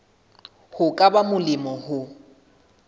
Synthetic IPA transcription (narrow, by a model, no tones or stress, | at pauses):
hʊkʼabamʊlɪmɔhʊ